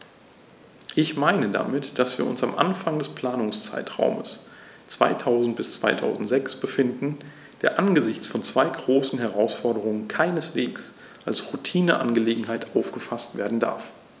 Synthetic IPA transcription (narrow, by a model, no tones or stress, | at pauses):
ʔɪçmaɪnəda̰mɪtd̥asv̥iːɐʊ̰nsamʔa̰nfaŋdɛspl̥aːnʊŋst͡sa̰ɪtʁ̥a̰ʊmə̰s | t͡sv̥a̰ɪtʰaʊzn̩t̚b̥ɪst͡sv̥a̰ɪtʰa̰ʊzn̩tz̥ɛksb̥əfɪndn̩ | d̥eːɐʔanɡəzɪçt͡sfɔnt͡sv̥aɪɡʁoːsn̩ɦɛʁ̞aʊsfɔɐɾəʁ̞ʊŋənkʰaɪnəsv̥eːks | ʔalsʁutʰiːnəʔa̰nɡəleːɡŋ̩ɦaɪtʔaʊfɡ̥əfastv̥eːɐdn̩da̰ɐf